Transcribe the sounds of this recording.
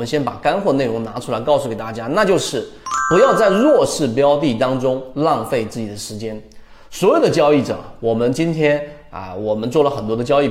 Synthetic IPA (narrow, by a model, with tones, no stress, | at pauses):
mə˦nɕjɛ˥npa˨˩ka˥nxwə˧e˥˩ɪʊ˧˥ŋna˧˥ʈ͡ʂʰu˥la˧˥ɪkɑ˥˧ʊsu˩kɪt̪a˥˩t͡ɕja˥na˥˧t͡ɕjo˥˧ʊʂɻ̩˥˩ | pu˧˥jɑ˥˧ʊt͡sa˥˧ɪlwɔ˥˧ʂɻ̩˥˩pjɑ˥ʊt̪̬i˥˩t̪ɑ˥ŋʈ͡ʂʊ˥ŋlɑ˥˧ŋfe˥˧ɪt͡sɹ̩˥˩t͡ɕi˨˩d̪ə˦ʂɻ̩˧˥t͡ɕjɛ˥n | swɔ˧˥jo˨˩ʊd̪ə˦t͡ɕjɑ˥˧ʊi˥˩ʈ͡ʂɤ̰˨˩wɔ˨˩mə˦nt͡ɕi˥nt̪ʰjɛ˥n | ə̰˧˩wɔ˨˩mə˦nt͡swɔ˥˩lə˩xə˨˩nt̪wɔ˥d̪ə˧t͡ɕjɑ˥˧ʊi˥˩